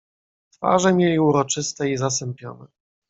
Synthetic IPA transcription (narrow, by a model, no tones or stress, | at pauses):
t̪fa̰ʐɛmʲjelʲiuɾɔt͡ʂɘst̪ɛizas̬ɛmpʲjɔ̰nɛ